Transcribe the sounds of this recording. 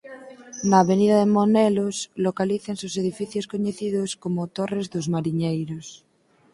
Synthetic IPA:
naːβeniðaðemoneloslokaliθensoseðifiθjoskoɲeθiðoskomot̪orezðozmaɾiɲejɾos

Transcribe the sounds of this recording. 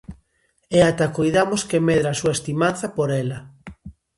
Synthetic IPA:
eat̪akojðamoskemeðɾaːsuɐest̪imanθɐpoɾɛlɐ

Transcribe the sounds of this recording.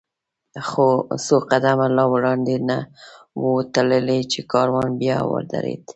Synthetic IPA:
xosoqad̪amalɑwɽɑnd̪ena | wət̪aləlet͡ʃekɑɾwɑnbjɑwə̰ɾd̪a̰ɾḛd̪

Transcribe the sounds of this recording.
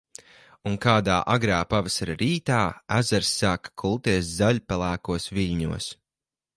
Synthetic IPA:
unkaːd̪aːʔaɡɾaːpavasaɾaɾiːt̪aːæzaɾsːaːkḁkʰulˠt̪iɛszaʎʲpælˠæːkuɔsviʎʲɲuɔs

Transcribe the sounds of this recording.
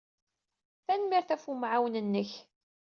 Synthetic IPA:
θænmiɾθæfumʕawnənːəç

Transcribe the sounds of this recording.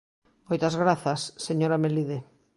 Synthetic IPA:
mojt̪ɐzɣɾaθɐsːeɲoɾameliðe

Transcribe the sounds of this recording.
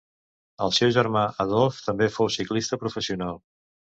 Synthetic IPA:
əlˠsɛwʒəɾmaʔəðɔlˠft̪əmbefowsiklist̪əpɾufəsiunalˠ

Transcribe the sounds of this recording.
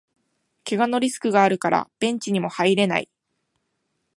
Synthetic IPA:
ke̞ɡano̞ɾʲisɨ̥kɯ̟ɡaːɾɯ̟kaɾa̰b̥ẽ̞ɲ̟t͡ɕiɲ̟imo̞haiɾe̞na̰i

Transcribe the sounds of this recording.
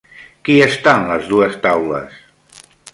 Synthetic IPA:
kiest̪anləzðuəst̪awlə̰s

